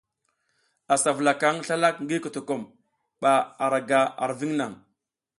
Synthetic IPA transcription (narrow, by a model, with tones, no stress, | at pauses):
a˨sa˨vla˨ka˦ŋɬa˦la˦k̚ŋɡi˦ku˨to˨ko˦˨m | ɓa˨a˨ɾa˨ɡa˨a̰˨ɾvi˦ŋna˨ŋ